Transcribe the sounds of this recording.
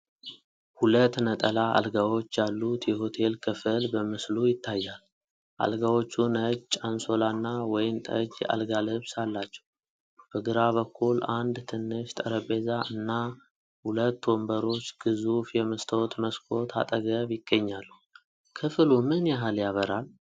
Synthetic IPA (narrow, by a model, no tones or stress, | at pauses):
hulət̪ːnət̪ʼəlaa̰lɡawo̞t͡ʃːjalːut̪jɛho̞t̪ʰe̞lkʰɨfɨlbəmɨslujɪt̪ʰːajːal | ʔa̰lɡawo̞t͡ʃːunəd͡ʒt͡ʃʼanso̞lanːawɔjɪmt̪ʼəd͡ʒa̰lɡalɨβsalːat͡ʃːɛ̥w | b̥əɡɨɾaβəkːuland̪t̪ʰɨnːɨʃt̪ʼəɾəbe̞zaʔɨnːa | hulət̪ːwɔmbəɾo̞t͡ʃːɡ̥ɨzufjɛməst̪ʰəwt̪məskʰo̞t̪ʰa̰t̪ʼəɡəβjɪɡ̥ːəɲːalːu | kʰɨfɨlumɨnjaɦaljaβəɾal